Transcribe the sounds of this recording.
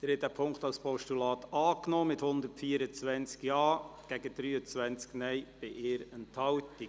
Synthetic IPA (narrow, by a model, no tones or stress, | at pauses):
d̥ɪɾhɛtæːpʰʊŋkt̪ɑwspʰɔʃtulɑːt̪ɑːknɔːmɪthʊnd̪əɾtfiːəɾət͡svʋænt͡skjɑːɡ̥æɡ̥əd̥̪ɾyːət͡sʋænt͡sknɛɪb̥ɪʔɪːɾənthɑwti